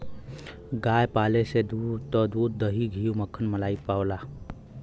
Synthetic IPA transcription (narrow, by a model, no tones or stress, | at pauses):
ɡaːjpaːlesed̪ut̪ɔd̪uːd̪̚d̪əɦiɡʱijuməkʰənməlaːipaːwlaː